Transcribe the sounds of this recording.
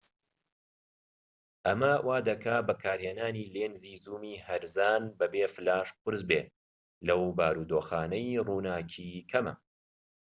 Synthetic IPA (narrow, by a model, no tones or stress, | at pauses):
ʔɐmɐwʔaːd̪ɐkaːbɐkʰaːɾheːnaːniːleːnziːzuːmiːhɐɾzaːnbɐbeːfɨlaːʃp̚ɨɾzbeː | lɐwbaːɾuːd̪oːxaːnɐjruːnaːcʰikʰɐmɐ̰